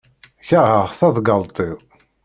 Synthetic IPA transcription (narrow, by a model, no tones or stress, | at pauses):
çəʁhəʁθɑðˤɡɑlˤt̪ˤi